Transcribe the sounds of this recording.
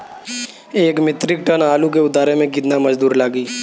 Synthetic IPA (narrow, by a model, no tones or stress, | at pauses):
eːkmɪt̪ɾɪk̚ʈənaːlukeʊd̪aːɾemẽkɪd̪namɐd͡ʒd̪uːɾlaːɡiː